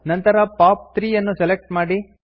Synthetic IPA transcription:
nɐnt̪ɐɾɐpaːp̚t̪ɾiːjɐnːuselek̚ʈmaːɽi

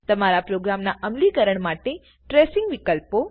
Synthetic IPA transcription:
t̪əmaɾapɾoɡɾamnaʔəmlikəɾəɳmaʈe | ʈɾesɪŋɡʋikəlpo

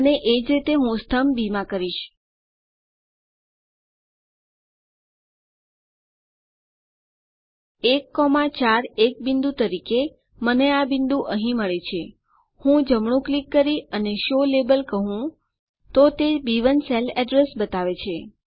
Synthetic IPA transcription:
əneʔed͡ʒɾit̪eɦũst̪ʰəmbimãkəɾiʃ | ekːɔmãt͡ʃaɾek̚bind̪ut̪əɾike | məneabind̪ũʔəɦĩməɭet͡ʃʰe | hũd͡ʒəmɳũklikːəɾiəneʃolebəlkəɦũ | t̪ot̪ebiʋənselɛɖɾesbət̪aʋet͡ʃʰe

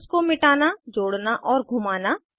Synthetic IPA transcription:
skomɪʈaːnad͡ʒoːɽnaʔɔːɾɡʱumaːna

